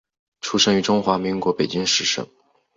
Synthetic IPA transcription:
ʈ͡ʂʰu˥ʂə˥ŋy˧˥ʈ͡ʂʊ˥ŋxwa˧˥mi˧˥ŋkwɔ˧˥pe˨˩ɪt͡ɕi˥ŋʂɻ̩˧˥˩ʂɤ̰˥ŋ

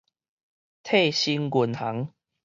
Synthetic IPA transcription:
t̪ʰe˥˧ɕi˧nɡu˨˩nha˨˦ŋ

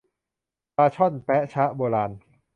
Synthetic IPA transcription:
paː˧t͡ɕʰɔ˥˩npɛ˦˥ʔt͡ɕʰa˦˥ʔboː˧laː˧n

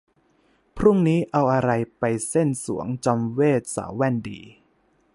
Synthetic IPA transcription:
pʰɾu˥˩ŋniː˦˥ʔa˧wʔa˧ɾa˧jpa˧jse˥˩nsṵ˩˦əŋt͡ɕɔ˧mweː˥˩t̪̚sa̰ː˩˦wwɛ˧˥˩ndḭː˧

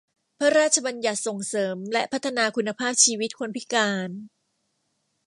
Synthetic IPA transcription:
pʰa˦˥ɾaː˥˩t̪̚t͡ɕʰa˧ba˧nja˨˩t̪̚so˨˩ŋsɤː˩˦mlɛ˦˥pʰa˦˥t̪ʰːa˧naː˧kʰu˧nːa˧pʰaː˥˩p̚t͡ɕʰiː˧wi˦˥t̪̚kʰo˧npʰi˦˥kaː˧n

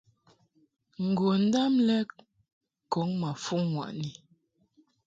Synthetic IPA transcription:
ŋ̩˨ɡwo˨n̩˦da˦mlɛ˦ | kɔ˨˦ŋma˨fu˦ŋːwa̰˨ʔni˨

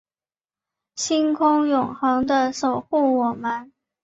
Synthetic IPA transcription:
ɕi˥nkʰʊ˥ŋjʊ˨˩ŋxɤ˧˥ŋd̪ə˧ʂo˨˩ʊxu˥˩wɔ˨˩mə˦n

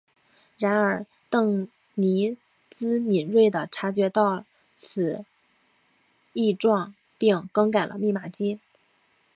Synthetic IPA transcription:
ɻa˧˥nə˞˨˩˦ | t̪ɤ˥˩ŋ | ni˧˥ | t͡sɹ̩˥ni˨˩nɻwe˥˩ɪd̪ə˩ʈ͡ʂʰa˧˥t͡ɕɥɛ˧˥t̪ɑ˥˩ʊ | t͡sʰɹ̩˨˩ | i˥˧ʈ͡ʂwɑ˥˧ŋ | pi˥˧ŋkɤ˥ŋka˨˩ɪlʔə̰˦mi˥˩ma˨˩t͡ɕi˥

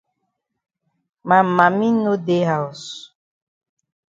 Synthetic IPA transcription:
ma˨ma˨mĩ˦no˦de˦ɦa˨u˨s

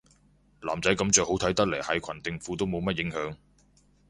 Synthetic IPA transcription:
laː˨˩mt͡sɐ˨˥jkɐ˨˧˥mt͡ʃœː˨k̚ho˨˥wt̪ʰɐ˨˥jt̪ɐ˥k̚le˨˩jhɐ˨˧jkʰɐ˨˩nt̪ɪ˨˧ŋfuː˧t̪wmo˨˧wmɐ˥t̚jɪ˨˥ŋhœː˨˧˥ŋ

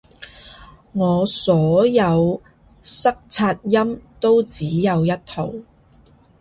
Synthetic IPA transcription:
ŋɔː˨˧sɔː˨˥jɐ˨˧w | sɐ˥k̚t͡sʰaː˧t̚jɐ˥mt̪o˥wt͡siː˨˥jɐ˨˧wjɐ˥t̚t̪ʰo˨˩w

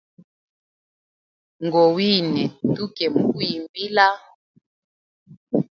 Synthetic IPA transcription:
ŋɡɔ˨wi˦nɛ˨tu˦kɛ˨mu˨ku˦ji˨mbi˦la˦

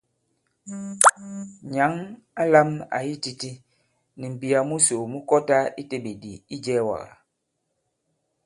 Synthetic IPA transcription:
ɲa˨˦ŋ | a˦la˦ma̰˨ji˦ti˦ti˦ | ni˨m̩˨bi˨a˨mu˦so˨mu˦kɔ˦ta˦i˦te˦be˨di˨i˦d͡ʒɛː˦wa̰˨ɣa̰˨

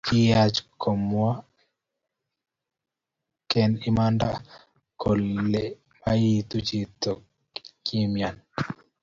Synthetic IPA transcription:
kɪ˦jat͡ʃkʰo˨mwa˦ | kɛ˦nɪ˦manda˦ | ko˨lːe˨ | maji˦t̪u˦t͡ʃi˦t̪o˨ | ki˦mja˨n

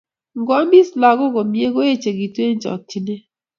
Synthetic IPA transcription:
ŋ˦ɡɔ˦mbi˦sla˨ɡo˦ɡo˨mje˦ɡo˦e˦t͡ʃe˨ɡi˨te˦n˦t͡ʃɔ̰˨k̚t͡ʃi˨ne˦

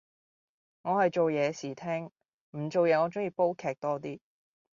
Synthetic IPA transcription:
ŋɔː˨˧hɐ˨jt͡ʃo˨wjɛː˨˧siː˨˩t̪ʰɛː˥ŋ | m̩˨˩t͡ʃo˨wjɛː˨˧ŋɔː˨˧t͡sʊ˥ŋjiː˧po˥wkʰɛː˨k̚t̪ɔː˥t̪iː˥

